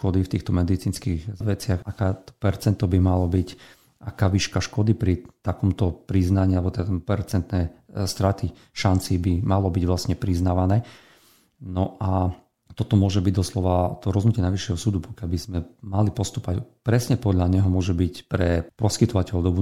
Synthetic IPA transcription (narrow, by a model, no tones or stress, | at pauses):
ʃkɔd̪ift̪iːxt̪ɔmɛd̪it͡siːnskiɣʋɛt͡sɪaxakɛt̪ɔ̥pɛɾt͡sɛnt̪ɔbimalɔbic | ʔakaːʋiːʃkaʃkɔd̪ipɾit̪akɔmt̪ɔpɾiznaɲiːalbɔt̪ɛpɛɾt͡sɛnt̪nɛst̪ɾat̪i | ʃant͡sibimalɔbiɟʋlasɲɛpɾiznaːʋanɛː | nɔa | t̪ɔt̪ɔmʊɔʒɛbiɟd̪ɔslɔʋat̪ɔɾɔznucɪɛnajʋiʃːjɛɦɔsuːd̪upɔ̥kɪalbizmɛmalipɔst̪upacpɾɛsɲɛpɔd̪ʎaɲɛɦɔmʊɔʒɛbicpɾɛpɔskit̪ɔʋacɛld̪ɔbu